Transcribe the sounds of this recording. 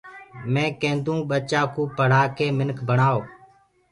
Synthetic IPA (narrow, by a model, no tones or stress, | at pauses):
mẽːkẽːnd̪ũːɓət͡ʃaːkũːpəɽ̤aːkʰeːmɪnkʰbʱəɳaːoː